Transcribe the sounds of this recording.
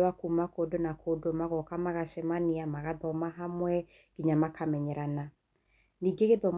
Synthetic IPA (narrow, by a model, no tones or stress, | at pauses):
wakumakoːdonakʰodomaɣɔkamaɣaʃɛmaniamaɣaðɔmaɦamwɛ | ɡ̥iɲamakʰamɛɲɛɾana | niːɡeɣeðɔm